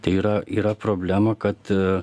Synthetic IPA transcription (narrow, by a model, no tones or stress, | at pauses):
t̪ɐɪiːɾɐiːɾɐpɾoːbʲlʲæmɐkɐt̪